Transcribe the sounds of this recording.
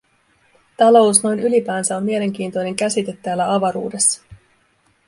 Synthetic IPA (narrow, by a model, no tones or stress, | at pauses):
t̪ɑlo̞usno̞jnylipæːnsæo̞mmie̞le̞ŋk̟iːnt̪o̞jne̞ŋk̟æsit̪e̞t̪ːæːlːæɑʋɑɾṵːde̞sːɑ̥